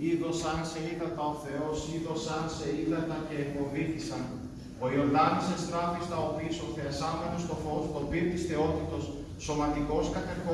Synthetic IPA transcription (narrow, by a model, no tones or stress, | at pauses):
iðo̞sɐnse̞ilɐt̪ɐo̞θe̞o̞siðo̞sɐnse̞ilɐt̪ɐce̞ifo̞viθisɐn | o̞ioɾðɐnosest̪ɾɐfist̪ɐopiːso̞θeɐsɐmenost̪o̞fo̞st̪o̞piɾit̪isθe̞o̞t̪it̪o̞sː | o̞mɐt̪iko̞skɐt̪e̞xo